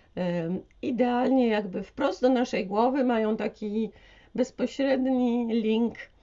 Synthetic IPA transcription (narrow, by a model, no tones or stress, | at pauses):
id̪ɛalɲɛjaɡbɘfpɾɔst̪̚d̪ɔnaʂɛjɡwɔvɘmajɔ̃w̃t̪akʲi | bɛspɔɕɾɛd̪ɲilʲiŋk